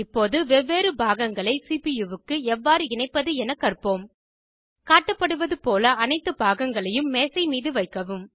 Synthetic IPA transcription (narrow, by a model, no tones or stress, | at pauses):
ɪpːoːðɯʋɛʋːeːɾɯbʱaːɣɐŋɡɐɭɐɪsiːpijuʋɯkːɯɛʋːaːɾɯɪnɐɪpːɐðɯɛnɐkːɐrpoːm | kaːʈːɐpːɐɽɯʋɐðɯpoːlɐɐnɐɪt̪ːɯbʱaːɣɐŋɡɐɭɐjɯmːeːsɐɪmiːðɯʋɐɪkːɐʋɯm